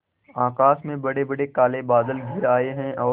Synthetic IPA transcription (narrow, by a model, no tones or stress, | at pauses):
aːkaːsmẽbɐɽebɐɽekaːlebaːd̪əlɡʱɪɾaːeɦɛ̃ɔː